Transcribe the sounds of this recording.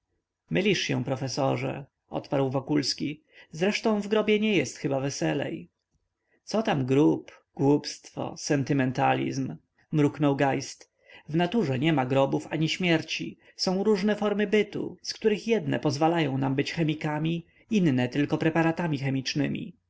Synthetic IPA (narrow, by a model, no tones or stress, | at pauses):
mɘlʲiʂɕɛ̰̃w̃pɾɔfɛsɔʐɛ̰ | ʔɔ̰t̪paɾwvɔkulskʲi | zɾɛʂt̪ɔ̃w̃vɡɾɔbʲjɛɲɛjɛst̪xɘbavɛsɛlɛ̰j | t̪sɔt̪amɡɾup | ɡ̥wupst̪fɔ̰sɛnt̪ɘmɛnt̪a̰lʲḭzmː | ɾuknɔwɡajst̪ | vnat̪uʐɛɲɛmaɡɾɔbufaɲiɕmʲjɛɾt͡ɕḭ | sɔ̃w̃ɾuʐnɛfɔɾmɘbɘt̪ṵskt̪uɾɘxjɛd̪nɛ̰pɔzvalajɔ̃w̃nambɘt͡ɕxɛmʲikamʲi | innɛt̪ɘlkɔpɾɛpaɾat̪amʲixɛmʲit͡ʂnɘmʲḭ